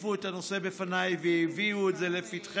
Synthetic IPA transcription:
vuet̪anosebefanajveiviut̪zelefit̪χ

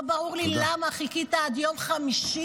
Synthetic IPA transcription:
baʁuʁlilamaχikit̪aad̪jo̞mχamiʃi

